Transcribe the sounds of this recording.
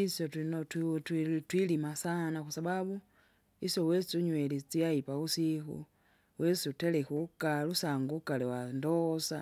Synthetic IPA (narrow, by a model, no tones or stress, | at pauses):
isotinotttwilimasanaxusaβaβu | isjowest͡suɲwelit͡siajipausixṵ | wʔesutelexukalusaːŋɡukalewandosa̰